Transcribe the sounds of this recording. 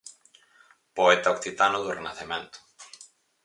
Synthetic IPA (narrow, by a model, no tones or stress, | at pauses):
poet̪aokθit̪anʊðurenaθemẽnt̪ʊ̥